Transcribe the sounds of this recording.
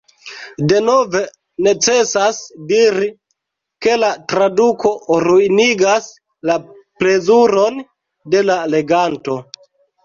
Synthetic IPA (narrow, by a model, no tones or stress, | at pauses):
de̞no̞ve̞ | ne̞t͡se̞sasdiɾi | ke̞latɾaduko̞ɾuiniɡas | la | pɾe̞zuɾo̞n | de̞lale̞ɡanto̞